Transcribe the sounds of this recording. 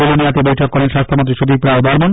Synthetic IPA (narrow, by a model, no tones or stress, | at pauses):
oloniat̪ebojʈʰɔkːɔɾenʃast̪ʰomont̪ɾiʃub̪ipɾaod̪ʱɔɾmon